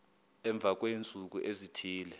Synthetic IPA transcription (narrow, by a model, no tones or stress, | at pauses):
ɛɱb̪vʱak̬went͡sʼuk̬uʔezitʰiːlɛ